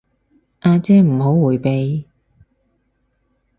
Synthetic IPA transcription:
ʔaː˧t͡sɛː˥m̩˨˩ɦo˨˥wːuː˨˩jpe˨˧j

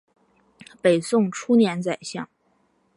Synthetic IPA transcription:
pe˨˩ɪsʊ˥˩ŋʈ͡ʂʰu˥njɛ˧˥nt͡sa˨˩ɪɕjɑ˥˩ŋ

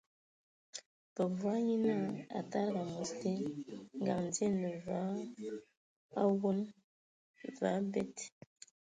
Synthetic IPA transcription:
bə˨vwa˦ji˦na˦˨a̰˨ta˦ɾɡa˨mo˨ste˦ŋɡa̰˨ŋn˨d͡ze˦nə˨va˦ | a˦wo˦n | va˨˦bɛ˦t

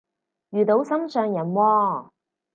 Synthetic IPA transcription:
jyː˨t̪o˨˧˥wsɐ˥msœː˨ŋjɐ˨˩nwɔː˧

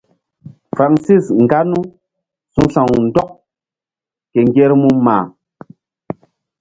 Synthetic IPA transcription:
fɾa˨ŋsi˦˨sŋ̩˨ɡa˦nu˦ | su˨˦ɬa˨ŋ˨n̩˨˦dɔ˦k̚ | kɛ˨ŋ˦ɡɛ˦ɾmu˦ma̰ː˨

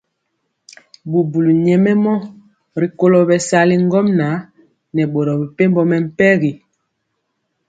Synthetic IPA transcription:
bu˨bu˨lu˨ɲɛ˨mɛ˦mɔ˦ | ɾi˨ko˦lɔ˨bɛ˨sa˦li˦ŋ˦ɡɔ˦mna˨˦ | nɛ˨ɓo˨ɾɔ˨bi˨pe˦mbɔ˦mɛ˨m̩˦pɛ˦ɣi˨

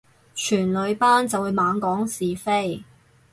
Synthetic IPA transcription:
t͡ʃʰyː˨˩nlɵ˨˧ɥpaː˥nt͡sɐ˨wuː˨˧jmaː˨˧ŋkɔː˨˥ŋsiː˨fe˥j

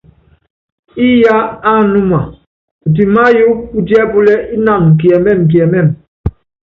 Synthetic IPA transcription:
i˦ja˦a˦˨nu˦ma˨ | u˨t̬i˨ma˦ju˦u˦ti˦ɛ˦bu˦lɛ˦ʔi˦na˦˨ŋ̩˨k̬i˨ɛ˨mɛ˦˨m̩˨k̬jɛ˨mɛ˦˨m

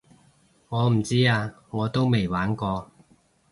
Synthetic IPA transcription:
ŋɔː˨˧m̩˨˩t͡siː˥aː˧ | ŋɔː˨˧t̪o˥wme˨˩jwaː˨˥nkɔː˧

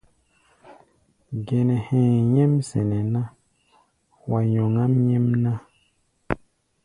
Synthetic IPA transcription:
ɡɛ˨nɛ˨hɛ̃ː˨jɛ˦msɛ˨nɛ˨na˦ | wa˨jo˨ŋa˦mɲɛ˦mnã˦

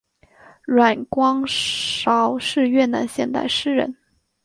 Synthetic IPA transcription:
ɻwa˨˩nkwɑ˥ŋʂɑ˧˥ʊʂɻ̩˥˧ɥɛ˥˩na̰˧˥nɕjɛ˥˧nt̪a̰˥˧˩ɪʂɻ̩˥˧ɻə̰˧˥n

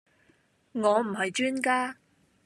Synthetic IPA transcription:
ŋɔː˨˧m̩˨˩hɐ˨jt͡ʃyː˥nkaː˥

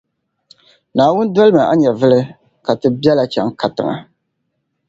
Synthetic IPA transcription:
naː˨wʊ˦n˦dɔ˦lɨ˦mɨ˨ʔa˦ɲɛ˨vɨ˦lɨ˦ | ka˨tɨ˨bɛ˦la˨t͡ʃɛ˦ŋka˨tɨ̰˨ŋa̰˨

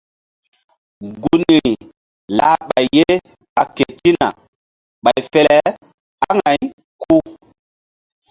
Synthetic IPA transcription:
ɡu˨˦ni˨i˨ | la̰˦ɓa˨jːe˦ | ɓa˨ke˨ti˦na̰˨ | ɓa˨jfɛ˨lɛ˦ | a˦ŋa˨j | kʰu˦

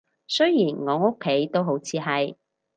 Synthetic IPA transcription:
sɵ˥jjiː˨˩nŋɔː˨˧ŋo˥kʰːe˨˥jt̪o˥wɦo˨˥wt͡sʰiː˨˧ɦɐ˨j

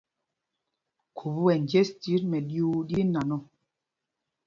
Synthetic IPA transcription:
kʰu˨bu˦wɛ˨n˨d͡ʒe˦sti˨˦ɾmɛ˨ɗju˦di˦na˨nɔ˦˨

